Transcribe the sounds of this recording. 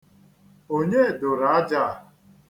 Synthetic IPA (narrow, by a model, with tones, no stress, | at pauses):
o˦ɲe˦˨dʊ˨ɾa˦d͡ʒa˦˨